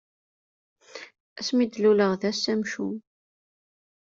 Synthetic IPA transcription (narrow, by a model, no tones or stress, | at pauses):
æsmid̪luləʁðæsæmʃu